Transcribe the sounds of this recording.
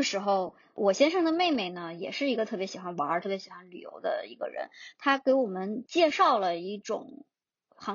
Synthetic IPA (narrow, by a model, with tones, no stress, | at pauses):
ʂɻ̩˧˥xo˧ʊ | wʔɔ˨˩ɕjɛ˥nʂɤ˥˩ŋd̪ə˨me˥˩ɪme˥˩ɪnə˩jɛ˨˩ʂɻ̩˥˩i˧˥ɡə˧t̪ʰɤ˥˩pjɛ˧˥ɕi˨˩xwa˧˥nwə˞˧˥t̪ʰɤ˥˩pjɛ˧˥ɕi˨˩xwa˥nly̰˨˩jo̰˧˥ʊd̪ə̰˧ḭ˧˥ɡə̰˧ɻə̰˧˥nt̪ʰa˥ke˧˥ɪwɔ˨˩mə˦nt͡ɕjɛ˥˧ʂɑ˥˩ʊlə˩i˥˩ʈ͡ʂʊ̰˨˩˦ŋ | xɑ˧˥